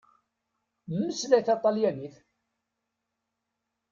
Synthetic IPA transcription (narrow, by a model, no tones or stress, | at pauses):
mːəslæjθɑt̪ˤːɑljæniθ